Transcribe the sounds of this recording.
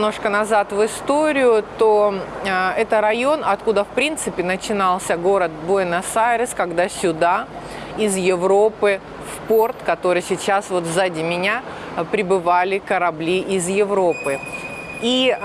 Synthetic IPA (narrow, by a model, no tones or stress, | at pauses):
no̞ʂkənɐzat̪vɨst̪o̞ɾʲɪjʊt̪o | ɛt̪əɾɐjo̞nɐt̪kud̪əfpɾʲint̪sɨpʲɪnət͡ɕɪnɑlˠsʲəɡo̞ɾət̪̚boɪnɐsaɾʲɪskɐɡd̪asʲʊd̪a | ɪzjɪvɾo̞pɨ | fpo̞rt̪kɐt̪o̞ɾɨjsʲɪt͡ɕasvo̞t̪vzadʲɪmʲɪnʲa | pɾʲɪbɨvalʲɪkəɾɐblʲiʔɪzjɪvɾo̞pɨ | i